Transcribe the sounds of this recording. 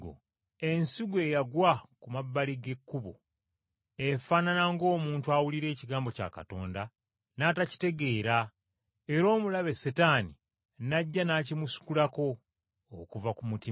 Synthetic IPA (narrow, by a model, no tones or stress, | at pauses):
o̰ | e̞nsiɡwe̞ːjaɡwakumabːaliɡe̞kːuβo̰ | efaːnanaŋɡo̞ːmuːntuawuliɾe̞ːciɡaːmbo̞ca̰ːka̰to̞̰ːnda | naːtaci̥te̞ɡe̞ːɾa | eɾo̞ːmulaβe̞setani | naɟːanacimusu̥kulako̞ː | kuvakumuti